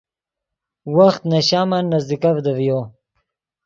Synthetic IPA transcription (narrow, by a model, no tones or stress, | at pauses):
waxt̪naɕaːmanːazd̪ikavd̪əvjo